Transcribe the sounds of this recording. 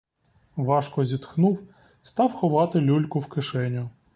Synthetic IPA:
ʋɑʃkɔzʲit̪xnuw | st̪ɑwxɔʋɑt̪ɪlʲulʲkʊwkɪʃɛnʲʊ

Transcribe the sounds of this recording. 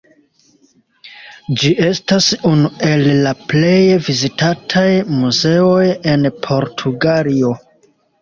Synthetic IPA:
d͡ʒiʔe̞stasunue̞lːaple̞jvizitatʰajmuze̞o̞je̞npʰo̞ɾtʰuɡalio̞

